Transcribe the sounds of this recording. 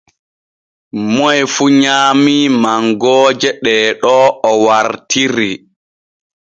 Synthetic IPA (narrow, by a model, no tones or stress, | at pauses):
mɔjfuɲaːmimaŋɡɔːd͡ʒɛɗɛːɗɔɔwaɾtiɾi